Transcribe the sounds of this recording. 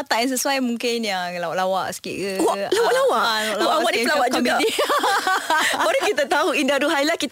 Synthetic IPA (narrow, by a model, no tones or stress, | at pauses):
t̪aʔjãns̬əsuajmũŋkɪnjaŋlawaʔlawaʔsə̥kḭʔkəwaʔlawaʔlawaʔllaʔlawaʔiəlawaʔd͡ʒai | aɾukit̪at̪auindaduɦajlahkit̪